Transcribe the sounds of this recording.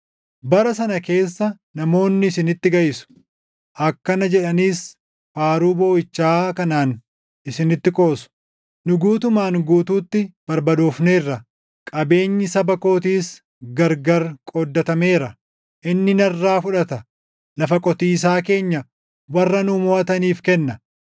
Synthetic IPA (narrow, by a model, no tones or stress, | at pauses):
bɐɾɐsɐnɐke̞ːsːɐ | nɐmo̞ːnːɪːsɪnɪt̪ːɪɡɐjɪsʊ̥ | ʔɐkːɐnɐd͡ʒɛᶑɐniːs | faːɾuːboːɪt͡ʃːaːkɐnaːn | ɪsɪnɪt̪ːɪkʼo̞ːsʊ̥ | nʊɡuːt̪ʊmaːnɡuːt̪uːt̪ːɪb̥ɐɾbɐd̪uːfneːrːɐ | kʼɐbe̞ːɲːɪsɐbɐko̞ːt̪iːs | ɡɐɾɡɐɾkʼɔd̪ːɐt̪ɐme̞ːɾɐ | ʔɪnːɪnɐrːaːfʊᶑɐt̪ɐ | lɐfɐkʼɔt̪iːs̬aːke̞ːɲːɐ | wɐrːɐnʊmoːɐt̪ɐniːfkɛnːɐ